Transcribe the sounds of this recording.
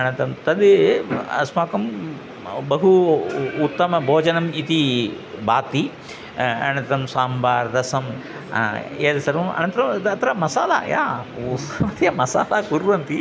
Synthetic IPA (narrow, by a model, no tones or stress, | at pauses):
ɐnɐnt̪ɐmt̪ɐd̪ | ɐ̰smaːkɐm | bɐɦuː | t̪ːɐmɐbʱoːd͡ʒɐnɐmit̪i | baːt̪i | ɐ̰ɽ̃ɐt̪ɾɐmsaːmbaːɾd̪ɐsɐm̰ | eːd̪ɐsɐɾʋɐmɐ̰ñɐnt̪ɾɐmɐt̪ɾɐamɐsaːla̰ːja̰ːɐmɐt̪jɐmɐsa̰ːlaːkuɾʋɐnt̪i